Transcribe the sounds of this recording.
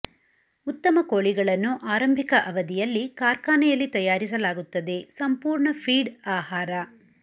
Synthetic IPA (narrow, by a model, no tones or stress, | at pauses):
ut̪ːɐmɐkoːɭiɡɐɭɐnːuʔaːɾɐmbʱikɐʔɐʋɐd̪ijɐlːikaːɾkaːnɐjɐlːit̪ɐjaːɾisɐlaːɡut̪ːɐd̪e̞sɐmpuːɾɳɐpʰiːɖaːhaːɾɐ